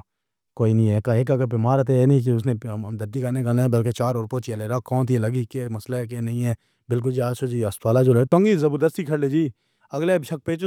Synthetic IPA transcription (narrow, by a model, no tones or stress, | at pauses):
koːiːnĩːɦɛːkaeːkaɡəbɪmaːɾt̪enĩkeʊsnẽːmd̪əɾd̪iːkanẽkanːbəlket͡ʃaːɾoɾpot͡ʃeːleːɾaːkɔ̃ːt̪ʰieləɡikeməslaɛk̬enɐɦĩɛː | bɪlk̬ʊld͡ʒiaːt͡ʃʰod͡ʒiːəst̪waːlad͡ʒoːlət̪ə̃ŋɡizəbəɾd̪əst̪iːkʰəɽled͡ʒiː | əɡleːʃək̚peːt͡ʃ